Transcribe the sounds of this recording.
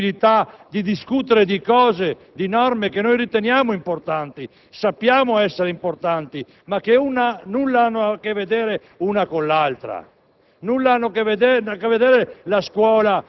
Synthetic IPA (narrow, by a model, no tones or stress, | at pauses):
ilit̪ad̪id̪iskut̪eɾed̪ikɔːze | d̪inɔrmekenojrit̪enjaːmoimport̪ant̪i | sapːjaːmoɛsːeɾeimport̪ant̪i | makːeunanulːaanːoakːevːed̪eːɾe | unakonlalt̪ɾa̰ | nulːaanːoakeved̪eakevːed̪eːɾelaskwɔːla